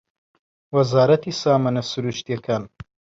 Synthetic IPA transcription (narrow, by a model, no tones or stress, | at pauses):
wɐzaːɾɐt̪iːsaːmanɐsuɾuʃt̪jɐkʰaːn